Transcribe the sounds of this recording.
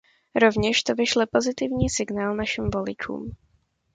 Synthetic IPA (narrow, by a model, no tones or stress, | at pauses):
ɾo̞vɲɛʃt̪ovɪʃlɛpo̞zɪt̪ɪvɲiːsɪɡnaːlnaʃɪmvo̞lɪt͡ʃṵːm